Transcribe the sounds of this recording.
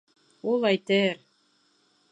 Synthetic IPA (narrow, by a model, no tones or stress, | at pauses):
ulˠæjt̪ɘɾ